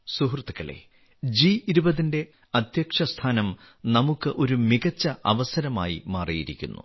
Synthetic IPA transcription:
suɦrt̪ːikːɐɭḛ | d͡ʑiiɾubɐðinde̞ | ɐd̪ʱjɐkʂɐst̪ʰaːnɐm | nɐmukːɨʔo̞ɾumiɣɐt͡ɕːɐʔɐ̰ʋɐsɐɾɐma̰ːjḭmaːrijiɾḭkʲːṵnːṵ

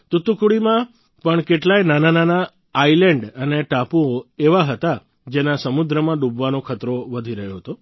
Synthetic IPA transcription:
t̪ut̪ukuɽimã | pəɳkeʈlajnanananaː | ilɛɳɖəneʈapuoeʋaɦət̪a | d͡ʒenasəmud̪ɾəmãɖubʋanokʰət̪ɾoʋəd̪ʱiɾəɦjoɦət̪o

